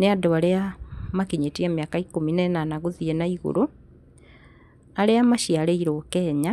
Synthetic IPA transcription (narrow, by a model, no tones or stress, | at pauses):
neadoaɾeamakiɲetiamjakaikominɛnanaɣoðienaiɣo̰ɾo | aɾeamaʃialeiɾokɛːɲa